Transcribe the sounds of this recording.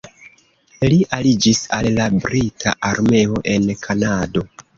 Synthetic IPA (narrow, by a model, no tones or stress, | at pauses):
liʔalid͡ʒisallabɾitʰa̰ʔaɾme̞o̞ʔe̞nkʰanado̞